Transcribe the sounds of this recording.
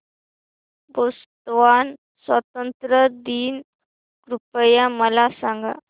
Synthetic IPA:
bost̪ʋan | sʋət̪ənt̪ɾəd̪iːn | ɡɾupəjaməlasaŋɡa̰

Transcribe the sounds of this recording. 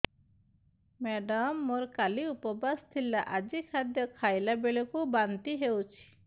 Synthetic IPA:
meɖɔmːoɾkaliupɔbast̪ʰilaʔad͡ʒikʰad̪jɔkʰajlabeɭɔkubant̪iɦewt͡ʃʰi̥

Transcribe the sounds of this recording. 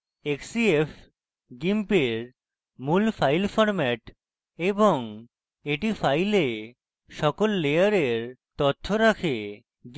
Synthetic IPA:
eksief | ɡimpeɾ | mulfajlfɔɾmɛʈ | eboŋ | eʈifajle | ʃɔkolːejaɾeɾt̪ot̪ʰːoɾakʰe | ɡ

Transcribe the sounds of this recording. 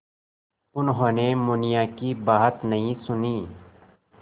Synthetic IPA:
ʊnɦõːnemʊnijaːkibaːɦət̪nɐɦĩsʊniː

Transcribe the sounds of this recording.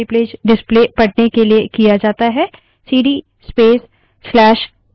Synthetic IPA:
ipleːd͡ʒɖɪspleːpɐɽnekeliekijad͡ʒaːt̪aɦɛ | siːɖi | speːsː | lɛːʃ

